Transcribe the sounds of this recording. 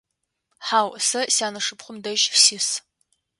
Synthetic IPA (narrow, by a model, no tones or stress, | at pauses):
ħaːwsɐsaːnɐʂɨpχʷʊmdɐʒfsiːs